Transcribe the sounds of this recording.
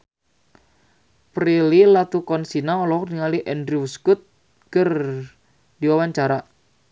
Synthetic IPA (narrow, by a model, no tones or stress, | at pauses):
pɾililat̪ukɔnsinaɔlɔkniŋaliʔɛndɾiwuskʊt̪̚ | kər | diwawaɲt͡ʃaɾa